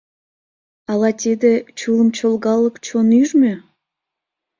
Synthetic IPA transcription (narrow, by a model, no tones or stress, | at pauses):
ɑlɑt̪ʲed̪et͡ɕulə̆mt͡ɕolɣɑlˠːɤkt͡ɕonyʒmʲe